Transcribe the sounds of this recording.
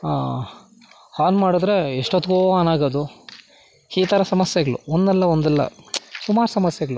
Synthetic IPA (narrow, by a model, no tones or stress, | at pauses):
aː | haːnmaːɽud̪ɾe̞iʂʈot̪ːɡoːaːnaːɡɐd̪u | iːt̪ʰɐɾɐsɐmɐsjeɡɐɭṵond̪ɛlːɐond̪ɛlːɐ̰sumaːɾusɐmɐsjɛɡɐɭu